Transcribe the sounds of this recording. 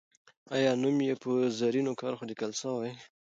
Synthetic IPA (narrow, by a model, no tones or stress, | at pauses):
ɑjɑnumjepəzaɾinokɑɾxod̪ɪkalsawaj